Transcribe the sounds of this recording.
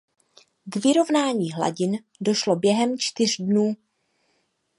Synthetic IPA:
ɡvɪɾo̞vnaːɲiːɦla̰ɟɪn | do̞ʃlo̞bjɛɦɛmt͡ʃt̪ɪr̝dnuː

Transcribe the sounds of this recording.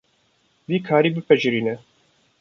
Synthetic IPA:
d̪iːkʰaːɾiːbɨpʰɛʒɨɾiːnɛ

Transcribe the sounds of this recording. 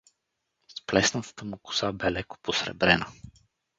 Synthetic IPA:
splɛsnət̪ə̥t̪əmukʊ̥sabɛlɛko̥posɾɛ̰bɾɛnə

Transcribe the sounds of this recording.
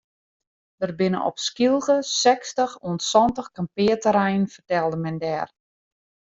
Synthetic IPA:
d̥ərbɪnə̰nʔɔ̰pskilˠɣəsɛkstəxuənsɔntəxkampɪːətəɾɛjənfərtɛlˠdəmɛndɛːr

